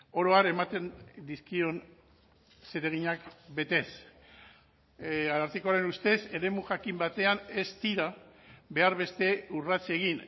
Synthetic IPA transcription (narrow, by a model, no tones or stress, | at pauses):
o̞ɾo̞aɾe̞mat̪e̞nd̪iskio̞n | seɾe̞ɣ̞iɲakbe̞t̪e̞s | aɾaɾt̪eko̞aɾe̞nust̪e̞se̞ɾe̞muʝakimbat̪e̞ane̞st̪iɾaβe̞aɾβe̞st̪e̞urat͡sieɣin